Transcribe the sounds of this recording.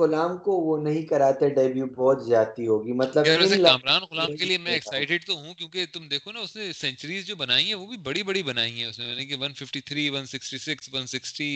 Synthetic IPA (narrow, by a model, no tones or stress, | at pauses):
ʊlaːmkoʋonɐɦĩkɐɾaːt̪eɖɐbjubʱɔːt̪zjaːt̪iɦoːɡiːmɐt̪ləbɾɛseaːmɾaːnɣʊlaːkeliemɛ̃ɛksaːɪʈɪɖt̪oɦũkjõːket̪ʊmd̪eːkʰonaʊsnesɛ̃ɲt͡ʃəɾiːzd͡ʒoːbɐnaːiɦɛ̃ʋobʱibɐɽibɐɽibɐnaːiɦɛ̃ʊsmẽmɐnekeʋɐnfɪfʈit̪ʰɾiːʋɐnsɪksʈisɪksʋɐnsɪksʈi